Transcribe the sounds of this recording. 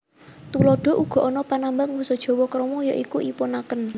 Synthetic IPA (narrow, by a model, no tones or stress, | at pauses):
t̪ulɔɖ̥ɔ̤ʔuɡ̥ɔ̤ʔɔnɔpanambaŋwusɔd̥ʒ̥ɔ̤wɔkɾɔmɔjɔʔikuʔipʊnakən